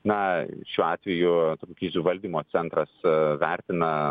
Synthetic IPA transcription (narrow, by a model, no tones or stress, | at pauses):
nɐ̰ʃʲuːɑːt̪ʲʋʲɛjʊt̪okʲoːkʲiːsʲuʋɐlʲd̪ʲiːmoːt͡ssʲɛnt̪ɾɐsʋʲæˑɾʲt̪ʲɪnɐ